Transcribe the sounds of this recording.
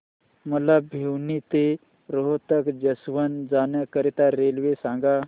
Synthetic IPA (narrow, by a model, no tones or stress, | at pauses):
məlabʱewnit̪e | ɾoɦt̪əkd͡ʒəsʋənd͡zaːnjəkəɾit̪aɾelʋesãŋɡa